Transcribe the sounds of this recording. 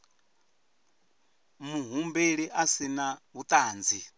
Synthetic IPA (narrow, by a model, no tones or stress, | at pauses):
muɦumbeɺiʔasinaɦut̪ʼaːnd͡zʱi